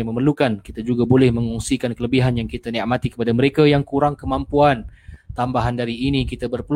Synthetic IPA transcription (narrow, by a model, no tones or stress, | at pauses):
məmərlukankit̪ad͡ʒuɡabolɛhmə̃ŋɔŋsikankələbiɦanjaŋkit̪aniʔmat̪ikə̥padaməɾekajaŋkuɾaŋkəmampuant̪ambaɦandaɾiːnikit̪abərpəl